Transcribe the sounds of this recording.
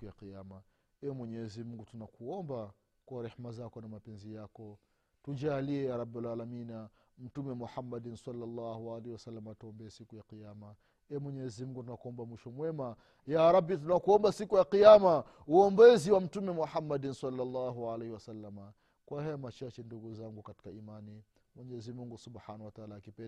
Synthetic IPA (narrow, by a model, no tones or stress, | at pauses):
kujaqiama | ɛɛmwɛɲɛzim̩ŋɡutunakuɔmba | kwaɾɛhmazakɔnamapɛnzijakɔ | tud͡ʒaːliɛjaɾabalalamina | m̩tumɛmuħamːadinsalːalːahualehiwasalːamataɔmbɛːsikujaqiama | ɛmwɛɲɛɛzimuŋɡutunakuɔmbamwiʃɔmwɛma | jaɾabːitunakuɔmbasikujaqijama | uɔmbɛziwam̩tumɛmuħamːadinsalːalːaɦualehiwasalːama | kwahajɔmat͡ʃat͡ʃɛnduɡuzaŋɡukati̥kaimani | mwɛɲɛzimuŋɡusubħanawataalaːkipɛ